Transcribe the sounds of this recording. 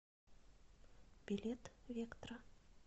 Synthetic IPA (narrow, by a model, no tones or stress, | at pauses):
b̥ʲilʲet̪vʲekt̪rə